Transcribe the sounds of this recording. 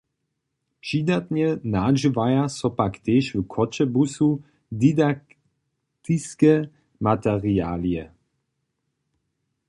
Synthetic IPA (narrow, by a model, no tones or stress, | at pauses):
pʃid̪at̪ɲɛnaʒivajasɔpakt̪eːʃvkʰɔt͡ʃɛbusu | d̪id̪ak | t̪iskɛ | mat̪ɛʁia̰ːliɛ